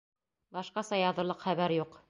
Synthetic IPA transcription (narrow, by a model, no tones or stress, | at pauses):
bɑʃqɑsɑjɑðɤ̆ɾlˠɤqχæβæɾjuq